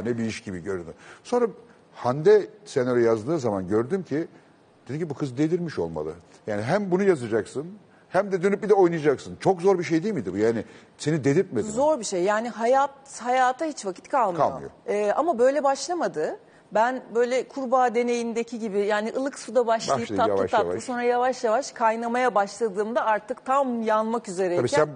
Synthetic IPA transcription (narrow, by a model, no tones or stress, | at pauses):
nɛbiiʃɟibiɟøɾyd̪yso̞nɾa | hand̪ɛsɛnøɾʲɛjazd̪ɯːzamanɟø̞ɾd̪ymcʰi | d̪̥e̞d̪imcʰʲibukʰɯzd̪e̞d̪iɾmiʃo̞̰lˠma̰lˠɯ̰ | jaːniɦæmbunujazad͡ʒaksɯn | hæmd̪ɛd̪ønyp̚bid̪ɛo̞jnajad͡ʒaksɯnt͡ʃʰo̞kzo̞ɾbiʃ̬ejd̪ijilʲmid̪ibujaːnɪ | se̞nid̪e̞d̪iɾt̪̚med̪izo̞ɾbiʃejːaːniɦajat̪hajaːt̪ʰahit͡ʃvacʰit̪kʰalˠmkailˠjoɯ̰jo̰ɛːamabø̞jlʲɛbaʃlˠamad̪ɯ | bænbø̞jlʲɛkʰuɾbaːd̪e̞ne̞jind̪e̞cʰiɟibijaːniʔɯlˠɯksud̪abaʃlajit̪ʰaa̰vaʃʰaa̰aaso̞nɾajavaʃjavaʃkʰajnamajabaʃlˠad̪ɯːmd̪aaɾt̪ʰɯkt̪ʰamjanmakyze̞ɾɛisæn